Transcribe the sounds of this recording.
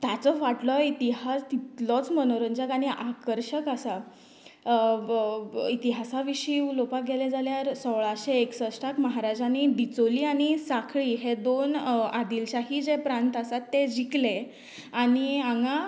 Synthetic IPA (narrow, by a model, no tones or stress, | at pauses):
t̪jat͡sɔʋaʈlɔit̪iɦast̪it̪lɔt͡smənoɾəɲd͡ʑakaɽ̃iʔakəɾɕəkasa | it̪iɦasaʋiɕiːulopaɡʱeled͡zaljaɾsɔwɭaɕeːksəsʈakməɦaɾad͡ʑañid̪it͡soliːaɽ̃isakʰɭiːɦed̪onad̪ilɕaɦid͡ʑepɾãnt̪asat̪ːed͡ʑikle | aɽ̃iaŋɡã